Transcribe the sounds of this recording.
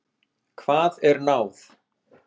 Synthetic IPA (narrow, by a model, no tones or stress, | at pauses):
kʰvaːðɛɾnaːwθ